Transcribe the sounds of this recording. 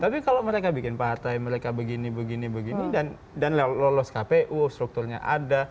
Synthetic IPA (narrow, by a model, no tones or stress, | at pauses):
t̪apikalowməɾekabikɪnpart̪ajməɾekabəɡinibəɡinibəɡinidan | danllɔlɔskapeʔust̪ɾuk̚t̪ʊrɲa̰ʔa̰da